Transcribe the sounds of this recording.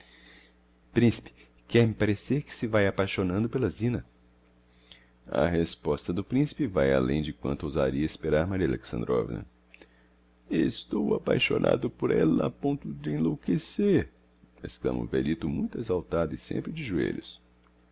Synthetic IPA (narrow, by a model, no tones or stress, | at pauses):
pɾĩsi̥pɪ̥ | kɛɾmɪpaɾeseɾkɪ̥sɪvajapajʃonɐ̃nd̪ʊpelɐzĩnɐ | ɐ̰ɦespɔst̪ɐd̪ʊpɾĩsi̥pɪvaja̰lḛ̃j̃d͡ʒɪkwɐ̰̃nt̪ʊowza̰ɾiɐespeɾaɾmaɾiɐlḛksɐ̃nd̪ɾɔvḭnɐ̰ | est̪owapajʃo̰nʔa̰d̪ʊpoɾɛlɐapõnt̪ʊd͡ʒɪẽlokeseɾ | ḛsklɐ̰̃mʔɐ̰veɾit̪ʊmũj̃t̪ʊezawt̪ad̪ʊɪsḛ̃mpɾɪd͡ʒɪʒuḛʎʊs